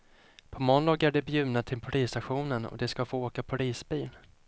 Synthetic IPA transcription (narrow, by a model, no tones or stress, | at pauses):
pʰɔmɔnd̪ɑːɡæɖɛbjʉ̟ːnat̪ʰɪlpʰʊɭiːst̪aɧuːnənɔ̰d̪ɛskafoːoːkapʰɔɾiːsbiːl